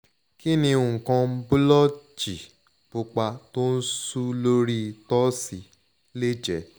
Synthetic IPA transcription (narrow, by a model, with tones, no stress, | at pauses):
ki˦nĩ˧ũ˨ŋ̩˨kã˧˦bu˦lɔ˦d͡ʒi˨ | b̥u˧k͡pa˧to˦n̩˦su˦lo˦ɾi˦˧tɔ˦si˧˦ | le˦d͡ʒɛ˨˦